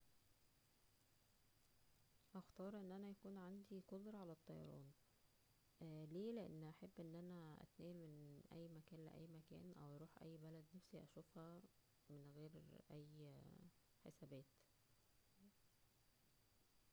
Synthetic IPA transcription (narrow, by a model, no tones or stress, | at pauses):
ʔæxt̪ɑːɾˤʔenːʔænæjækuːnʕand̪ikod̪ɾˤɑʕalæt̪ˤːɑjɑ̰ɾˤɑ̰ːn | leːleʔḛnːʔæħebːʔenːʔænæʔæ̰t̪næːlmenʔæ̰jːmækæːnlḛʔæ̰jːmækæ̰ːnʔæwɑɾˤuːħʔæ̰jːbælæd̪næfsiʔæ̰ʃuːfhæ | menɣeːɾʔæjː | ħesæbæːt̪